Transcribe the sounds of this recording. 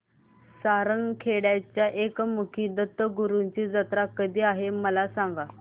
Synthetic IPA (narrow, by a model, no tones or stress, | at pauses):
saɾəŋɡkʰeɽjat͡ɕjaʔekmukʰiːd̪ət̪ːəɡuɾuɲt͡ɕiːd͡zət̪ɾakəd̪iːaɦeməlasaŋɡa